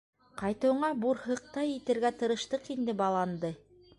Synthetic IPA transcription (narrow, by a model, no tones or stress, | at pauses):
qɑjt̪ɤ̆wɤ̆ɴɑbuɾhɤ̆q̚t̪ɑjit̪ɘ̆ɾɡæt̪ɤ̆ɾɤ̆ʃt̪ɤqind̪ɘbɑlˠɑnd̪ɤ